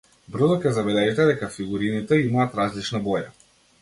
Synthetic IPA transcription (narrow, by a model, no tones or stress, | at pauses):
br̩zɔkʲɛzabɛlɛʒit̪ɛd̪ɛkafiɡuɾinit̪ɛimaːt̪ɾazlit͡ʃnabɔja